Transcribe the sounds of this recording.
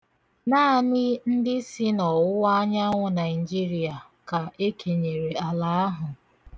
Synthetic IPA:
naː˦a˦nɪ˦n̩˦dɪ˦si˦nɔ˨ʊ˦a˦ɲa˦ŋʷʊ˦na˨ɪ˨d͡ʒi˦ɾi˨a˨ | ka˨e˦kʰe˨ɲe˨ɾe˨a˨la˨a˦ɦʊ˨

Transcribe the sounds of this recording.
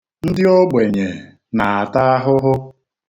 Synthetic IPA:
n̩˦dɪ˦o˦ɡ͡bʷe˨ɲe˨ | na˨a˨ta˦a˦ɦʊ˦ɦʊ˦

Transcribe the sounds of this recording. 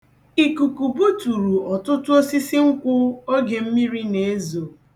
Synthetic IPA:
i˨ku˨ku˨bu˦tu˨ɾu˨ɔ˨tʊ˦tʊ˦o˦si˦si˦ŋ̩˦kʷʊ˦o˦ɡe˨m̩˦mi˦ɾi˦ne˨e˦zo˨

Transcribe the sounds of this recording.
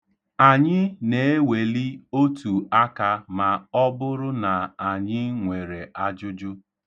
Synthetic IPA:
a˨ɲɪ˦ne˨e˦we˨li˦o˦tu˨a˦ka˨ma˨ɔ˦bʊ˦ɾʊ˦na˨a˨ɲɪ˦ŋʷe˨ɾe˨a˦d͡ʒʊ˦d͡ʒʊ˦

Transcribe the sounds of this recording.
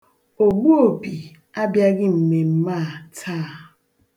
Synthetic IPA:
o˨bu˦o˨bi˨ | a˦bja˦ɡɪ˦m̩˨me˨m̩˦maː˦˨tʰaː˦˨

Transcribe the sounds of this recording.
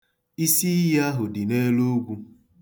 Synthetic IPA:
i˦si˦ja˦ɦʊ˨dɪ˨ne˦lo˦ɡʷu˦

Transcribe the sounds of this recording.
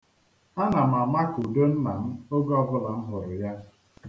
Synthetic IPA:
a˦na˨m̩˨a˨ma˦ku˨do˦n̩˦na˨m̩˦o˦ɡɔ˦bʊ˦la˨m̩˦ɦʊ˨ɾʊ˨ja˦

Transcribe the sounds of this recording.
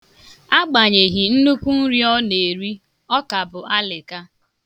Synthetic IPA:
a˦ɡ͡ba˨ɲe˨ɦi˨n̩˦nu˦kʷu˦n̩˦ɾi˦ɔ˦ne˨ɾi˦ | ɔ˦ka˨bʊ˨ʔa˦lɪ˨ka˦

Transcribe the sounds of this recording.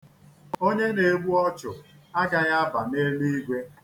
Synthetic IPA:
o˦ɲe˦ne˨ɡ͡bu˦ɔ˦t͡ʃʊ˨a˦ɡa˨ja˦ba˨ne˦li˦i˦ɡʷe˦

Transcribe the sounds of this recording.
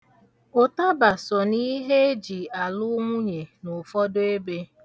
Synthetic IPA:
ʊ˨ta˦ba˨sɔ˨ni˦ɦe˦d͡ʒi˨a˨lʊ˦ŋʷʊ˦ɲe˨nʊ˨fɔ˦de˦be˦

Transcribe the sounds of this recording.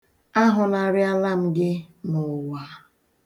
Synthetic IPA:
a˦ɦʊ˨na˨ɾɪ˦a˦la˦m̩˦ɡɪ˦mʊ˨wa˨˦

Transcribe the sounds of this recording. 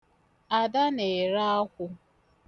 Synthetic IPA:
a˨da˦ne˨ɾa˦a˦kʷʊ˦

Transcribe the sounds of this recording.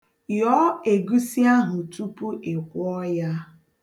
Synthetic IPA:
jɔ˦e˨ɡu˦si˦a˦ɦʊ˨tu˦pu˦ʔɪ˨kʷʊ˦ɔ˦ja˦

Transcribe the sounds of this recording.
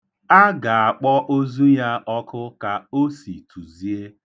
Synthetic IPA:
a˦ɡa˨a˨k͡pɔ˦ʔo˦zu˦ja˦ɔ˦kʊ˦ka˨o˦si˨tʰu˨zi˨e˦

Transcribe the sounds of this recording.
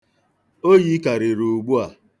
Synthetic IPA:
o˦ji˦ka˨ɾɪ˨ɾu˨u˨ɡ͡bu˦a˨

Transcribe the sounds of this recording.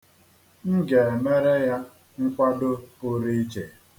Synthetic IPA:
ŋ̩˦ɡe˨e˨me˦ɾe˦ja˦ | ŋ̩˦kʷa˦do˦ʊ˦ɾi˦i˦t͡ʃe˨

